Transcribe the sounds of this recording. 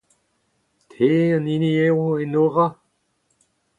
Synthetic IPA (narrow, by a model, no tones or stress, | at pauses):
tʰeːəniniewenoʁa